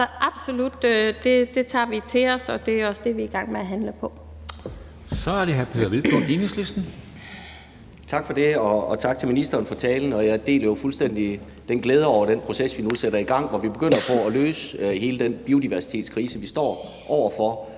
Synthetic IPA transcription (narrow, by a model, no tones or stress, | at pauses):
ʔɑ̈b̥so̝lud̥d̥e̝d̥e̝t͡sʰɑ̰̈ːʋit͡sʰe̝ɒ̽sɒ̽d̥e̝æɒ̽sd̥e̝ʋiːɡ̥ɑ̈ŋ̰meæɦænləpʰɒ̽ | sɒæɐɾ̥eɦæɐpʰe̝ːð̰ˠɐʋilb̥ʰonlinuslesd̥n̩ | t͡sʰɑ̈ɡ̥fɒ̽de̝ɒːt͡sʰɑ̈ɡ̥̚t͡sʰe̝lminisd̥ɐːnfɒ̽t͡sʰɛːln̩ɒ̽jɑd̥e̝̰ːlɐjo̝fulsd̥en̰d̥i | d̥enɡ̥leːð̞ˠəɒʊɐɾ̥enpʰʁo̝sesʋinuseɾɐiɡ̥ɑ̈ŋ̰ʋɒʋib̥e̝ɡ̥øn̰ɐpʰɒ̽æløːsəɦe̝ːləd̥enb̥io̝d̥iʋæɐsi̥t͡sʰe̝̰ːdskʰʁiːsəʋisd̥ɒ̰ː | ʔɒʊ̰ɐfɒ̽